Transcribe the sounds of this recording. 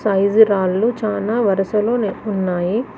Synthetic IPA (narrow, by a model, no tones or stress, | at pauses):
sɐjziɾaːlːut͡ʃaːlaːʋɐɾɐsɐlo̞ːnunːaːji